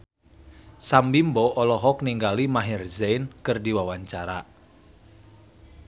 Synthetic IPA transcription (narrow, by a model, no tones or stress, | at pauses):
sambimbɔʔɔlɔɦɔk̚niŋɡalimaɦirzɛjnkɨrdiwawaɲt͡ʃaɾa